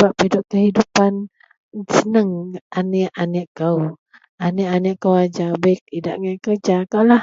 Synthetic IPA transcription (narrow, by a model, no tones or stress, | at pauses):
bapidʊp̚kəhidupan | sənəŋʔanɛʔaniʔkəw | anɛʔaniʔkəwad͡ʒabak̚idaʔŋakərd͡ʒakaʔlah